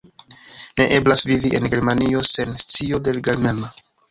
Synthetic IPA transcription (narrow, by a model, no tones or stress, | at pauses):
ne̞ʔe̞blasviviʔe̞nɡe̞ɾmanio̞se̞nst͡sio̞de̞lɡelmema